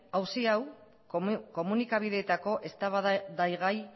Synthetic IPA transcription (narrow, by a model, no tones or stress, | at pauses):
awsiaw | ko̞munikaβ̞iðe̞ːt̪ako̞ʔe̞st̪aβaðajɣaj